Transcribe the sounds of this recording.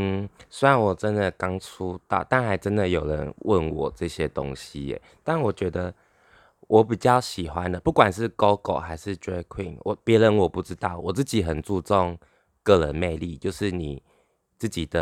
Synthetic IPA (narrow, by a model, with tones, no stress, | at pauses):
n̩˥˩sə˥ɪa˨˦nwɔ˨˩ʈ͡ʂə˦˥nd̪ə˨kɑ˥ŋt͡sʰu˥t̪ɑ˥˩ʊt̪a˥˩nxa˧˥ɪʈ͡ʂə˦nd̪ə˨jo˨˩ʊɻə̰˧˦nwʔə̰˥˩nwɔ̰˨˩ʈ͡ʂɤ˥˩ɕjɛ˦˥t̪o̰˥ŋɕḭ˦ḛ˨˩ | t̪a˥˩nwɔ˨˩t͡ɕɥɛ˧˥d̪ə˧ | wʔɔ˧˥pi˨˩t͡ɕjɑ˥˩ʊɕi˨˩xwa˦nd̪ə˨pu˥˩kwa˨˩nʂɻ̩˥˩ko˥ʊko˨˩ʊxa˧˥ɪʂɻ̩˥˨ʈ͡ʂe˥kʰwḭ˥˨˩ŋwʔɔ˨˩pjɛ˧˥ɻə˧˦nwɔ˨˩pu˥˩ʈ͡ʂɻ̩˦t̪ɑ˥˩ʊwɔ˨˩t͡sɹ̩˥˩t͡ɕi˨˦xə˨˩nt͡su˥˧t͡sɔ˥˧ŋ | kɤ˥˩ɻə˧˦nme˥˧ɪli˥˨t͡ɕjo˥˧ʊʂɻ̩˥˩ni˨˩ | t͡sɹ̩˥˩t͡ɕi˨˩d̪ə˦